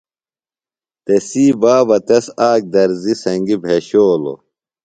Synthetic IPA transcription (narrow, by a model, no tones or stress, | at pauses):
t̪esiːbaːbɐt̪ɐsaːk̚d̪ɐɾzisɐŋɡibʱeɕoːlo̰